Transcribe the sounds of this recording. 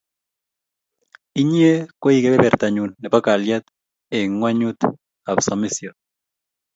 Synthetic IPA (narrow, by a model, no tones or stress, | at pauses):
iɲiekoikeβeβeɾt̪aɲunːepakaljat̪ | eŋwaɲut̪ | aβsamisjon